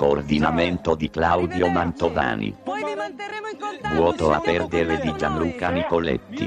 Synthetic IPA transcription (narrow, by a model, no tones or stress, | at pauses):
koːrd̪inament̪od̪iklawd̪jomant̪ova̰ːnḭ | vwɔːt̪oapɛrd̪eɾed̪id͡ʒanluːkanikolḛt̪ːḭ